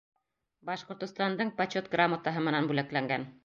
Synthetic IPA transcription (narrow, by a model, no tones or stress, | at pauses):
bɑʃqŏɾt̪ŏst̪ɑnd̪ɤɴpɐt͡ɕot̪ɡramət̪ɑɦɤmɤ̆nænbʉlæklæŋɡæn